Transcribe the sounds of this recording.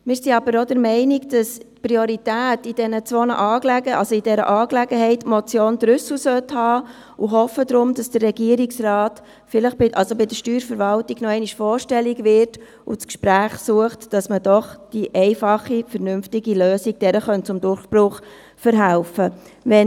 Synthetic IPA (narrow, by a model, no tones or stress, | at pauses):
mɪːɾsiɑbəɾodəɾmɛɪnɪɡd̥ɑspɾioɾitæːtid̥ɛnət͡sʋonə̰ʔɑːklɛɡəʔɑlsoid̥ɛɾə̰ʔɑːklæɡəɦɛɪtmɔt͡sjoːnd̥ɾʏsl̩sœthɑː | uɦɔfədɾʊmd̥ɑsd̥ərːɛɡiəɾiksrɑːt | fɪləχb̥ɪʔɑlsobɪdəʃtyːɾfəɾʋɑltiɡnɔɛɪniʃfɔːɾʃtɛliɡʋɪɾt | ʊ̰t͡skʃpɾæːχsuəχtd̥ɑsməd̥ɔχd̥iʔɛɪfɑχːifəɾnʏmftɪɡiløːsiɡ̚d̥ɛɾəχœntt͡sʊmdʊɾχb̥ɾʊχ | fəɾɦælfəʋɛ